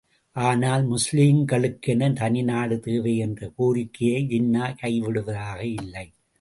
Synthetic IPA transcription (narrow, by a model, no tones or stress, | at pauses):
ʔaːnaːlmʊsliːmɡɐɭɯkːɛnɐnt̪ɐnɪnaːɽɯt̪eːʋɐɪɛndrɐkuːɾɪkːɪjɐɪd͡ʒɪnːaːkɐɪʋɪɽɯʋɐðaːɣɐɪlːɐɪ